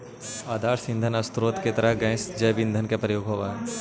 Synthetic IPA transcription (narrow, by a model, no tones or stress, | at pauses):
aːd̪aːɾsɪ̃nd̪ʱənɐst̪ɾoːt̪ket̪ɐɾəɦɡɛ̃ːsd͡ʒɐjʋɪ̃nd̪ʱənkepɾəjoːɡɦoʋaɦ